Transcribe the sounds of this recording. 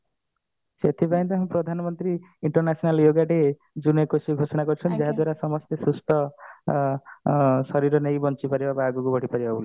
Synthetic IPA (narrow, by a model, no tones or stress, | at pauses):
set̪ʰibajnd̪ɔɦampɾɔd̪ʱanɔmɔnt̪ɾiːɳʈɔɾnasʰnaljoɡaʈe | d͡ʒunekosiɡʱosɔɽ̃akɔɾt͡ʃʰɔnd͡ʒeɦad̪waɾasɔmɔst̪esusʈʰɔ | sɔɾiɾɔnejbɔnt͡ʃipaɾibabaːɡukubʱɔɽipaɾibaule